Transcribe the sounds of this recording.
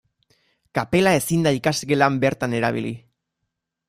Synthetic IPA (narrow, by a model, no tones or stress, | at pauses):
kape̞lae̞sind̪aikasɣelambe̞ɾt̪ane̞ɾa̰βḭlḭ